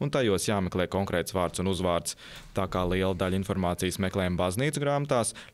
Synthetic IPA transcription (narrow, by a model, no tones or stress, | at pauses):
unt̪ajuɔsjaːmeklˠɛːkɔŋkɾeɛːt̪svaːɾt̪sunuzʋaːɾt̪s | t̪aːkaːlˠiɛlˠad̪aʎʲinfɔɾmaːt̪sijəsmeklˠɛːjmbazniːt̪sɡɾaːmat̪aːs